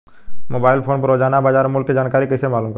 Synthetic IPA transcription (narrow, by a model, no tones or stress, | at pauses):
moːbaːɪlpʰoːnpəɾoːd͡ʒaːnabaːd͡ʒaːɾmʊlkːed͡ʒaːnkaːɾikəɪsemaːluːmk